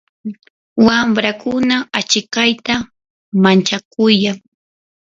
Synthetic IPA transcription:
wambɾakʊnaat͡ʃɪkajt̪a | mant͡ʃak̚ʊjaŋ

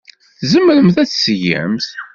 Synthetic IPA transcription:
θzəmːəɾəmθæt͡sːsjæ̰mθ

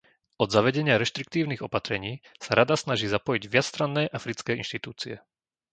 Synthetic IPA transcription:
ɔd̪zaʋɛɟɛɲɪaɾɛʃt̪ɾik̚t̪iːʊniɣɔpat̪ɾɛɲiːsaɾad̪asnaʒiːzapɔjiɟʋɪat͡sst̪ɾanːɛːʔafɾit͡skɛːḭnʃt̪it̪uːt͡siɛ̰

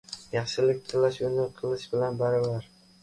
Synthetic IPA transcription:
jɑχʃɪlɪk̚ʲt̪ʰɪlaʃʊnɪqʰɨlˠɪʃbɪlanbaɾavaɾ

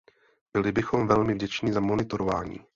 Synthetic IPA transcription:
b̥ɪlɪbɪxo̞mvɛlmɪvɟɛt͡ʃɲiːzamo̞nɪt̪o̞ɾova̰ːɲḭː

